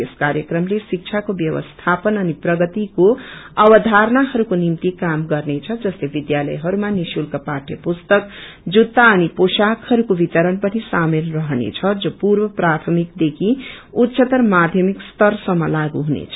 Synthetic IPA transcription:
eskaɾjʌkrʌmlesik̚t͡sʰakobjʌwʌ̰st̪ʰapʌnʌniprʌɡʌt̪ikoʌbʌd̪ʱaɾnaɦʌɾukonimt̪ikamɡʌrnet͡sʰʌd͡zʌslebid̪jalʌ̰jɦʌɾumanisulkaparʈjʌpust̪ʌk | d͡zut̪ːaʌniposakhʌɾukobit̪ʌɾʌnpʌnisamelrʌɦnḛt͡sʰʌd͡zopuɾbʌprat̪ʰʌmikd̪ekʰiut̪ːsʌt̪ʌrmad̪ʱjʌmikst̪ʌrsʌmːʌlaɡuɦunḛt͡sʰʌ

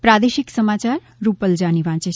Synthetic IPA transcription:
pɾad̪eʃiksəmat͡ʃaɾ | ɾupəld͡ʒaniʋãːt͡ʃe

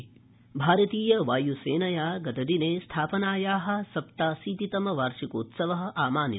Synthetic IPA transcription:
bʱaːɾɐt̪iːjɐʋaːjuseːnɐjaːɡɐt̪ɐd̪ineːst̪ʰaːpɐnaːjaːɦɐ̆sɐpt̪aːsiːt̪it̪ɐmɐʋaːɾʂikoːt̪sɐʋɐɦɐ̆ʔaːmaːni

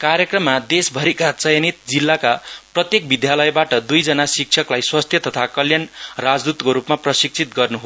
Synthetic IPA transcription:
kaɾjʌkrʌmːad̪esbʱʌɾikat͡sʌjʌnit̪̚d͡zilːakaprʌt̪jek̚bid̪jalʌjbaʈʌd̪ujd͡zʌnasik̚t͡sʰʌklajswast̪ʰjʌt̪ʌt̪ʰakʌljʌnrad͡zd̪ut̪koɾupmaprʌsik̚t͡sʰit̪ɡʌrnuɦo

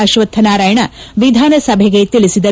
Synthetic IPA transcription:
ɐʃʋɐt̪ʰːɐnaːɾaːjɐɳɐʋid̪ʱaːnɐsɐbʱeɡet̪ilisid̪ɐ

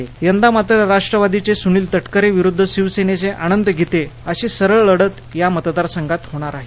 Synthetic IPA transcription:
ejənd̪amat̪ɾəɾaʂʈɾəʋad̪it͡sesuɳ̃iːlt̪əʈkəɾeʋiɾud̪ʱːəɕiʋsenet͡seʔañənd̪əɡʱit̪eəɕiːsəɾəɭːəɽət̪jamət̪d̪aɾsəŋɡat̪ɦoɽ̃aɾaɦe

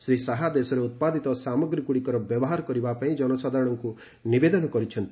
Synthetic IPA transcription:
sɾisaɦad̪esɔɾeut̪̚pad̪it̪ɔsamɔɡɾikuɽikɔɾɔbjɔbɔɦaɾɔkɔɾibapaĩd͡ʒɔnɔsad̪ʱaɾɔɽ̃ɔŋku | nibed̪ɔnɔkɔɾit͡ʃʰɔnt̪i

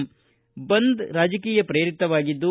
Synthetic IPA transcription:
bɐnd̪ɾaːd͡ʒɐkiːjɐpɾejɾit̪ːɐʋaːɡid̪ːu

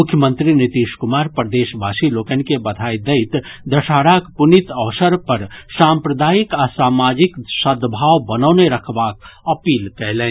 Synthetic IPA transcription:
mʊkʰːjəmə̃nt̪ɾinɪt̪iːʃkʊmaːɾpɾəd̪eːʃbʱaːsiloːkɛnkebɐd̪ʱaːid̪ɐɪt̪d̪ɐʃaːɽaːkpʊnɪt̪ɐːsəɾpɐɾsãːmpɾəd̪aːɪkasaːmaːd͡ʒɪksəd̪bʱaːwbɐnɔːneɾɐkʰbaːk̚ɐpiːlkɛɦlẽː

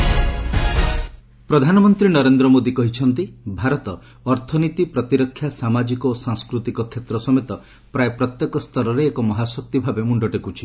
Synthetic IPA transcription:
pɾɔd̪ʱanɔmɔnt̪ɾinɔɾend̪ɾɔmod̪ikɔɦit͡ʃʰɔnt̪ibʱaɾɔt̪ɔː | ɾt̪ʰɔnit̪ipɾɔt̪iɾɔkʰːjasamad͡ʒikɔosãŋskɾut̪ikɔkʰet̪ɾɔsɔmet̪ɔ | pɾaepɾɔt̪jekɔst̪ʰɔɾɔɾeːkɔmɔɦasɔk̚t̪ibʱabemuɳɖɔʈekut͡ʃʰi̥

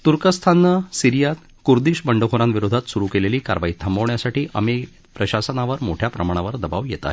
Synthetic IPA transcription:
t̪uɾkəst̪ʰanːəsiɾijat̪ | kuɾd̪iːɕbəɳɖəkʰoɾãnʋiɾod̪ʱat̪suɾukeleliːka̰ɾʋait̪ʰəmbəʋɳjasaʈʰiːʔəmi | pɾəɕasənaʋəɾmoʈʰjapɾəmaɽ̃aʋəɾd̪əbaʋjɛt̪a̰ɦe

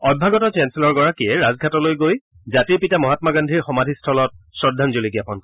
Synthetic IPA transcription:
ɔd̚bʱaɡɔtɔt͡ʃɛnselɔɹɡɔɹakiɛɹazɡʱatɔlojɡoj | zatiɹpitamɔɦatmaɡandʱiɹxɔmadʱistʰɔlɔt̚sɔdʱanzoliɡiapɔnkɔ

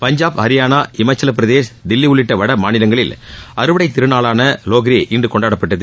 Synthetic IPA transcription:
pɐɲd͡ʒaːpɐɾɪjaːnaːɪmɐɪt͡ʃːɐlɐpːɪɾɐðeːʂd̪ɪlːiʊɭːɪʈːɐʋɐɽɐmaːnɪlɐŋɡɐɭɪlɐɾɯʋɐɽɐɪt̪ːɪɾɯnaːɭaːnɐloːɣɐɾiʔɪɳɖɯkɔɳɖaːɽɐpːɐʈːɐðɯ

